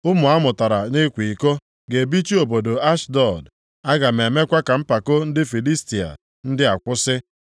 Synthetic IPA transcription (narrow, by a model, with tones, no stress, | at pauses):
ʊ˦mʊ˨a˦mʊ˨ta˨ɾa˨ne˦kʷi˨ko˦ | ɡe˨bi˦t͡ʃi˦o˨bo˨do˨a˦ʃdɔ˦˨d | a˦ɡa˨me˨me˦kʷa˦ka˨m̩˦pa˨ko˦n̩˦dɪ˦fi˨li˦sti˨a̰˨ | n̩˦dɪ˦a˨kʷʊ˦sɪ˦